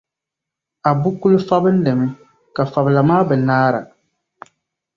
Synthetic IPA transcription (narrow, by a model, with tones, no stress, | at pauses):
a˨bu˦ku˦lʊ˦fa˦bɨ˦n̩˦lɛ˨mɛ˦ | ka˨fa˨bla˨maː˦bɛ˨naː˦ɾa̰˨